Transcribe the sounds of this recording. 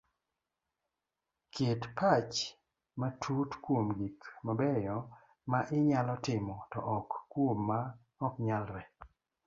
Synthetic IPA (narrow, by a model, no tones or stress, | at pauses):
kʰɪtpat͡ʃ | matʰutkwomɡikmabɛjɔ | maʔɪɲalɔtɪmɔtɔʔɔkːwomːa | ɔkɲalɾɛ